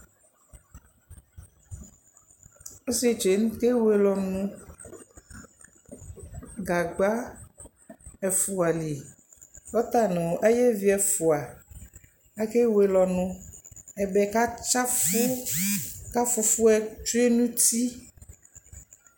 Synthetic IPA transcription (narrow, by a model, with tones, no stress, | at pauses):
o˦se˦t͡ʃe˨˦ŋũ˦ke˦we˨lɔ˨nũ˦ | ɡa˨ɡ͡ba˦ | ɛ˨fu˨a˨li˨ | ɔ˦t̪a˦nẽ˨wo˨ʔe˦je˦vi˦ɛ˨fu˨a˨ | a˦ke˦we˨lɔ˨nũ˨˦ɛ˨bɛ˨ka˦t͡ʃa˦fu˦ | ka˦fu˨fu˦ɛ˦t͡ʃu˦e˦nũ˦t̪i˦